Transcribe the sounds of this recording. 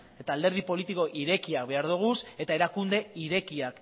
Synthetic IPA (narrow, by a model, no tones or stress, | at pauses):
e̞t̪aːld̪e̞ɾð̞ipo̞lit̪iko̞ʔiɾe̞kiak̚be̞aɾð̞uɣ̞use̞t̪ae̞ɾakund̪e̞iɾe̞kiak